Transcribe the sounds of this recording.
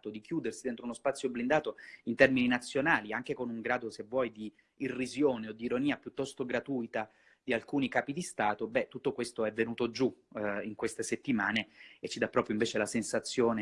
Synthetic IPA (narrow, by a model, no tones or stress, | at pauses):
t̪od̪ikjuːd̪ersid̪ent̪ɾounospat̪sːjoblind̪aːt̪oint̪ɛrmininat̪sːjonaːliaŋk̟ekonuŋɡɾaːd̪osevːwɔːjd̪iː | rːizjoːneod̪ːiiɾoniːapjut̪ːɔst̪oɡɾat̪uːjt̪a | d̪̥ialkuːnikaːpid̪ist̪aːt̪obɛt̪ːut̪ːokwest̪oɛvːenuːt̪od͡ʒuiŋkwest̪eset̪ːimaːneet͡ʃːid̪apːɾɔːpɾjoiɱveːt͡ʃelasensat̪sːjoːne